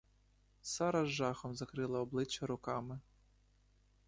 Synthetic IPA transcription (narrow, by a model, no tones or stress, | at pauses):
sɑɾɐzʒɑxɔmzɐkɾɪlˠɐɔblˠɪt͡ʃːɐɾʊkɑmɪ